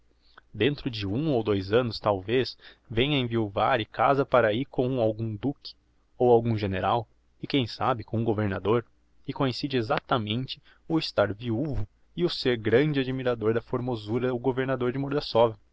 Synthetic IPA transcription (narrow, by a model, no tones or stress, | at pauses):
d̪ẽnt̪ɾʊd͡ʒɪũowd̪ojzɐ̃nʊst̪awvesvẽj̃ɐẽviuvaɾɪkazɐpaɾaikʰõwawɡũd̪ukɪ̥ | owawɡũʒeneɾaw | ɪkẽj̃sabɪkõʊɡoveɾnad̪oɾ | ɪkõẽsid͡ʒɪezat̪ɐmẽnt͡ʃɪ̥ | ʊɪst̪aɾviuvʊ | ɪʊseɾɡɾɐ̃d͡ʒɪad͡ʒimiɾad̪oɾd̪ɐfoɾmozuɾɐʊɡoveɾnad̪oɾd͡ʒɪmoɾd̪ɐsɔvɐ